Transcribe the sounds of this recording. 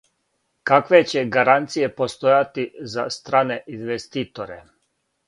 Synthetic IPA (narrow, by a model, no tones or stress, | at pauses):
kakʋe̞t͡ɕe̞ɡaɾant̪sije̞po̞st̪ojat̪izast̪ɾaːne̞inʋest̪iːt̪oɾe